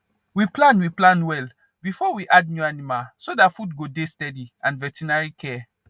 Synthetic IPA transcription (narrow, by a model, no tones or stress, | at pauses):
wiplãnwiplãnwɛl | bifɔwiʔad̚njuanimalsodatfudɡodestɛdiãnvɛtʰinaɹikʰɛ